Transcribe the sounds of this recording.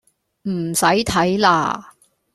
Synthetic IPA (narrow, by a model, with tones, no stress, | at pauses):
m̩˨˩sɐ˨˥jt̪ʰɐ˨˥jla̰ː˧